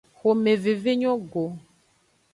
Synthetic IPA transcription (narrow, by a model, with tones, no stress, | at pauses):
xo˨me˨ve˨ve˦ɲɔ̃˦ɡo˨